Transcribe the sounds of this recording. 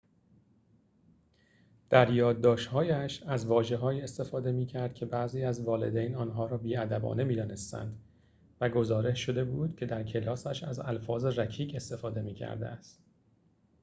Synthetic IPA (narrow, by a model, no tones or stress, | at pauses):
d̪̥æɾjɒːd̪̚ːɒːʃt̪hɒːjæʃæzvɒːʒe̞ɦɒːjiːe̞st̪e̞fɒːd̪e̞miːcʰæɾd̪̥̚kcʰe̞bæziːæzvɒːle̞̰d̪ejnɒːnɦɒːɾɒːbiːæd̪æbɒ̰ːne̞miːd̪ɒːne̞st̪æ̰nd̪ | væɡo̞zɒːɾe̞ʃʃo̞d̪e̞buːd̪̥cʰe̞d̪æɾcʰelɒːsæʃæ̰zælfɒːze̞ræcʰiːɡe̞st̪e̞fɒːd̪e̞miːcʰæ̰ɾd̪ḛæst̪